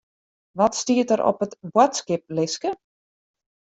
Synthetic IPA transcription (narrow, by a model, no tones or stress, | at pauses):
ʋɔtstiətəɾɔ̰pətbwatskɪp̚lɪskə